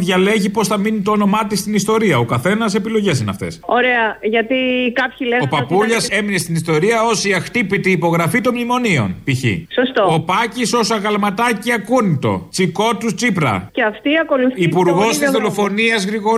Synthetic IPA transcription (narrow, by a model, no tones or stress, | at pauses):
ðʝɐle̞ʝipo̞sθɐminit̪oːno̞mɐt̪ist̪inist̪o̞ɾiɐo̞kɐθe̞nɐse̞pilo̞ʝe̞s̬inɐ̰ft̪e̞̰soɾeɐʝɐt̪ikɐpçileopɐpuʎɐse̞mine̞st̪inist̪o̞ɾiɐo̞siɐxt̪ipit̪iːpo̞ɣɾɐfit̪o̞mlimo̞nio̞̰npiçḭsost̪oopɐciso̞sɐɣɐlmɐt̪ɐciɐkunit̪o̞̰t͡siko̞t̪ust͡sipɾɐ̰eɐft̪iɐko̞luθipuɾɣo̞st̪izðo̞lo̞fo̞niɐzɣɾiɣo̞